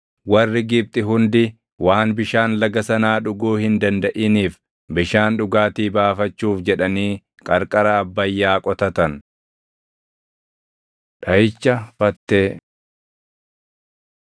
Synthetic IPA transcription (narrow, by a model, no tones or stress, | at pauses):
wɐrːɪɡɪb̚t̪ʼɪɦʊnd̪ɪ | waːnbɪʃaːnlɐɡɐsɐnaːᶑʊɡuːhɪnd̪ɐnd̪ɐʔiːniːf | bɪʃaːnᶑʊɡaːt̪iːbaːfɐt͡ʃːuːfd͡ʒɛᶑɐniː | kʼɐɾkʼɐɾɐːbːɐjːaːkʼɔt̪ɐt̪ɐn | ᶑɐjɪt͡ʃːɐfɐt̪ːeː